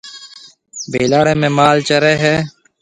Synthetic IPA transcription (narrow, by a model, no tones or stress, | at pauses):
beːlaːɽẽːmẽːmaːlt͡ʃəɾeːɦeː